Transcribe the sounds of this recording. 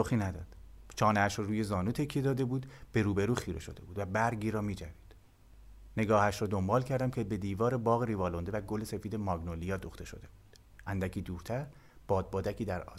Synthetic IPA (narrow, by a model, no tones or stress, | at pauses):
soxiːnæd̪ɒːd̪̥t͡ʃʰɒːneæʃɾɔːɾuːje̞zɒːnuːt̪ʰe̞cʰije̞d̪ɒːd̪e̞buːd̪b̥e̞ɾuːbe̞ɾuːxiːɾeʃo̞̰d̪e̞buːd̪væbæɾɡiːɾɒːmiːd͡ʒæviːd̪̥ | ne̞ɡɒːhæʃɾɒːd̪o̞mbɒːlcʰæɾd̪æmcʰe̞be̞d̪iːvɒːɾebɒːɣeɾivɒːlond̪evæɡole̞se̞fiːd̪e̞mɒːɡnolijɒːd̪oxt̪e̞ʃo̞̰d̪e̞buːd̪̥ | ʔænd̪æcʰiːd̪uːɾt̪ʰæɾ | b̥ɒːd̪̚bɒːd̪æcʰiːd̪æɾɒ̰ːs